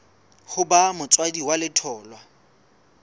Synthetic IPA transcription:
χʊbamʊt͡sʼwadiwalɪtʰɔːlwa

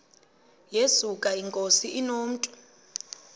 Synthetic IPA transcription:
jesukʼaiŋkʼosiʔinoːm̩tʼu̥

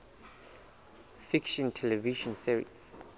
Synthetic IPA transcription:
fikʃɔ̃ntʰɛlɛviʃɔ̃nsiɹḭts

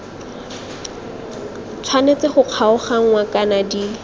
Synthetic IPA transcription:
t͡sʰwanet͡sɪχʊq͡χʰaʊχaŋ̩wakʼanadi

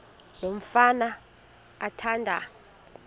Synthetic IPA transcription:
nom̩fana | atʰandʱa̰

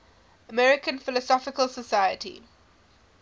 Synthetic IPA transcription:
əmɛɹɪkə̃nfɪlɔsɔfɪkəlsəsaɪətʰḭ

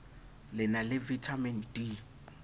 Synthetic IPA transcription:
lɪnalɪvitʰamɛndi

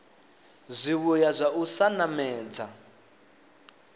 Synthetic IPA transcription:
zʷiβujazʷaʔusanamɛːd͡za

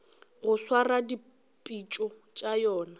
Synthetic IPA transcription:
ɣʊswaradi | pʼit͡ʃʼɔ | t͡ʃʼajɔːna

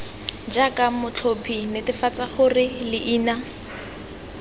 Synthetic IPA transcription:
d͡ʒakamʊt͡ɬʰopʰinɪtɪfat͡saχʊrɪlɪʔiːna

